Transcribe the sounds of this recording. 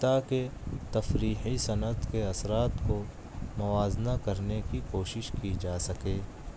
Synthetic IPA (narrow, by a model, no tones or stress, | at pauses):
t̪aket̪ɐfɾiːħisɐnəd̪keɐsɾaːt̪ko | mʊʋaːznakɐɾnekikoːʃɪʃkid͡ʒaːsɐkeː